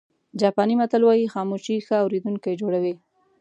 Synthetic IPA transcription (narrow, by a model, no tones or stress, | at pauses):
d͡ʒɑpɑnimat̪əlwɑjixɑmuʃixəawɾed̪uŋkajed͡ʒoɽawi